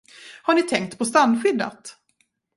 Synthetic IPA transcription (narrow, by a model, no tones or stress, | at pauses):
haɳɪt̪ʰɛŋk̚t̪pʰɔst̪anːɧʏd̪ːa̰t̪